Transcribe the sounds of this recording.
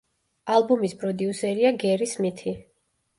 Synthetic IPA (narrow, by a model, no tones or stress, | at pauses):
alˠbumispʰʼɾɔd̪iusɛɾiaɡɛɾismit̪ʰi